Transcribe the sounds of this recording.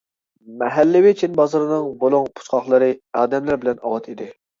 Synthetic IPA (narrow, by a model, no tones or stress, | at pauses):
mɛɦɛlːɪwɪt͡ʃʰinbɑzɨɾɨnɨŋbolˠuŋpʰu̥t͡ʃqɑχlˠɨɾɨɑːd̪ɛmlæɾbɪlɛnɑ̰wɑt̪ʰid̪ɪ